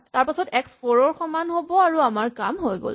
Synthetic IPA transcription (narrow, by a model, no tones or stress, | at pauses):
taɹpasɔtɛkspoɹɔɹxɔmanɦobɔaɹuamaɹkamɦojɡo̰l